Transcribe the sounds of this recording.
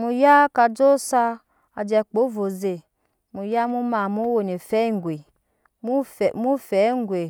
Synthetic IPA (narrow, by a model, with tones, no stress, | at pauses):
mu˨ja˦ka˧d͡ʒo˦sa˧ | a˨d͡ʒɛ˧˨k͡po˨˦vo˨ze˨ | mu˨ja˦mu˦ma˨mu˦wo˨ne˨fɛ˦ŋ˨ɡʷe˨ | mu˦fmu˦fɛ˨˦ŋ˦ɡʷe˨